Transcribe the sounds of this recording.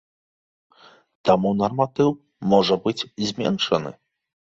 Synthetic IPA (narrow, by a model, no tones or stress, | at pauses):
t̪amunɐrmat̪ɨw | mɔʐɐbɨd͡zʲzʲmʲɛ̰nʂɐnɨ̰